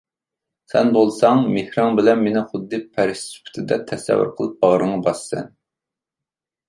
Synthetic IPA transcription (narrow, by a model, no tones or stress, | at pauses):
sɛnbolˠsɑŋmehɾɑŋbɪlɛnmenɪχʊd̪ːɨpʰæɾspʰt̪ʰɪd̪ɛt̪ʰɛsɛ̰wːʊ̰ɾqʰəlˠɨp̚bɑʁɾɨŋɑbɑssɛ̰n